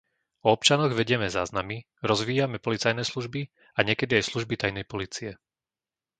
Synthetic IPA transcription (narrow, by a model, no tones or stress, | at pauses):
ɔɔp̚t͡ʃanɔɣʋɛɟɪɛmɛza̰ːznami | ɾɔzʋiːjamɛpɔlit͡sajnɛːsluʒbi | aɲɪɛkɛd̪iajsluʒbit̪ajnɛjpɔliːt͡siɛ